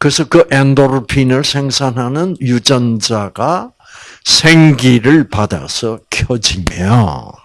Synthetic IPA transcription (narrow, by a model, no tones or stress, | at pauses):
kɯesʰʌkɯʔendoɾpʰinɯɭsʰeŋsʰanɦanɯnjud͡ʑʌnd͡ʑaɡa | sʰeŋɡiɾɯɭpad̪a̰sʰʌkʰjʌd͡ʑimjo̰